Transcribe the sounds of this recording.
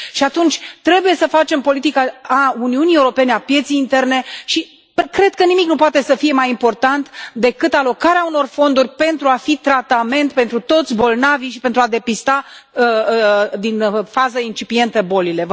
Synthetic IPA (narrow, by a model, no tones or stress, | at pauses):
ʃiat̪unt͡ʃʲt̪ɾe̞buje̞səfat͡ʃe̞mpo̞lit̪ikaːuniunieuɾo̞pe̞neapje̞t̪sijːnt̪e̞rne̞ʃi | pkɾe̞d̪̚kənimiknupoat̪e̞səfije̞majimpo̞rt̪ant̪d̪e̞kɨt̪alo̞kaɾeauno̞rfo̞nd̪urʲpe̞nt̪ɾuafit̪ɾat̪ame̞nt̪̚pe̞nt̪ɾut̪o̞t̪sʲbo̞lnaviʃipe̞nt̪ɾuad̪e̞pist̪a | d̪infazəint͡ʃipie̞nt̪əbo̞lile̞v